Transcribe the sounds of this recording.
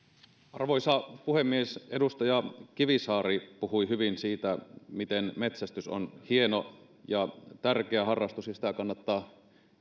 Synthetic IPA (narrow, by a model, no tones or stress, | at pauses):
ʔɑrʋoisɑpuhemːiesedust̪ɑjɑkiʋisɑːɾipuhuiɦyʋinsiːt̪æmit̪enmet̪sæst̪yso̰nhieno | jɑt̪ærkeæhɑrːɑst̪usjɑsit̪ækɑnːɑt̪ːɑː